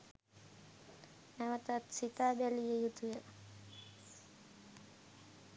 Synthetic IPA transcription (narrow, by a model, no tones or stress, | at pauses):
æʋət̪at̪sit̪aːbælijəjut̪ujə